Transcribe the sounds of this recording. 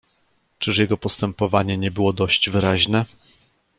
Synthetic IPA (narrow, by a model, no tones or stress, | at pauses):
t͡ʂɘʂjɛɡɔpɔst̪ɛmpɔvaɲɛɲɛbɘwɔd̪ɔɕd͡ʑvɘɾaʑnɛ